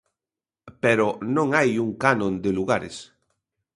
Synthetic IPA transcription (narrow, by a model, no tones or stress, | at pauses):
peɾonõŋajuŋkanõnd̪eluɣaɾḛs